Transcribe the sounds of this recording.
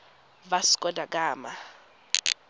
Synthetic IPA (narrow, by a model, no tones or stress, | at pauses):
basi̥kʼɔdʱak̬ʼaːma